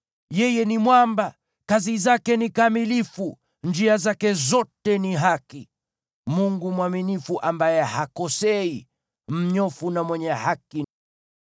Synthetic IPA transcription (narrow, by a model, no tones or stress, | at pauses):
jɛjɛnimwamba | kazizakɛnikamilifu | nd͡ʒiazakɛzɔtɛniɦaki | muŋɡumwaminifuʔambajɛhakɔsɛi | m̩ɲɔfunamwɛɲɛhaki